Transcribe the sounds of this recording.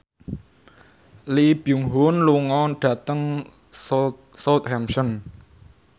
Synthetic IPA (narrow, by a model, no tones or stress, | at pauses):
lib̥juŋɦʊnluŋɔɖ̥ä̤t̪əŋ | s | sot̪̚hɛmsɔn